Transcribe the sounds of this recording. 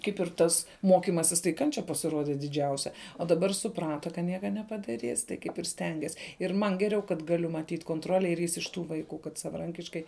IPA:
ˈkɐɪp ɪr ˈtɐs ˈmoːkʲɪmɐsʲɪs tɐɪ ˈkɐnʲt͡ʃʲɛ pɐsʲɪˈroːdʲɛ dʲɪˈd͡ʒʲɛʊsʲɛ oː dɐˈbɐr sʊˈprɑːtɐ kɐ ˈnʲiɛkɐ nʲɛpɐdɐˈrʲiːs tɐɪ ˈkɐɪp ɪr ˈsʲtʲɛŋʲɡʲɛs ɪr ˈmɐn ˈɡʲæːrʲɛʊ kɐt ˈɡɑːlʲʊ mɐtʲiːtʲ koːnˈtroːlʲɛ ɪr ˈjɪs ɪʃ ˈtuː ʋɐɪˈkuː kɐt sɐʋɐˈrɐŋʲkʲɪʃkɐɪ

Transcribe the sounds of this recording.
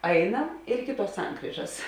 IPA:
ˈɐɪnɐm ɪr ˈɪkʲɪ ˌtuɔs ˈsɐŋkrʲiːʒɐs

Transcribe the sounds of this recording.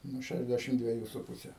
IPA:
nʊ ˈʃʲæʒʲˌdʲæːʃʲɪmt dʲʋʲiɛˈjuː sʊ ˈpʊsʲɛ

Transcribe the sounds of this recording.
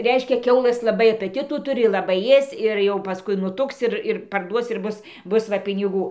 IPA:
ˈrʲɛɪʃʲkʲɛ ˈkʲɛʊlˠɘs lˠɐˈbɐɪ ɐpətʲɪtuː ˈtʊrʲɪ lˠɐˈbɐɪ ˈeːst͡s ɪr jɛʊ pɐˈskʊɪ nʊˈtʊks ˈɪr ɪr pɐrˈduɔs ɪr ˈbʊs ˈbʊs ʋɐ pʲɪnʲɪˈɡuː

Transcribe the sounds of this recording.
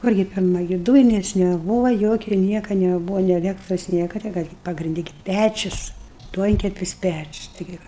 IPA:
ˈkʊrʲɡʲɪ ˈpʲɪrmɐ ɡʲɪ ˈduːjɪnʲɛs nʲɛˈbuːʋɐ ˈjoːkʲɛ ˈnʲiɛkɐ nʲɛˈbuːʋɐ nʲeː ɐˈlʲæːktroːs ˈnʲiɛkɐ tʲɪ ˈkɑː ɡʲɪ pɐɡrʲɪnʲˈdʲɪ ɡʲɪ ˈpʲæt͡ʃʲʊs ˈduɔŋʲkʲɛpʲɪs ˈpʲæt͡ʃʲʊs tɐɪˈɡʲɪ ˈʋɐ

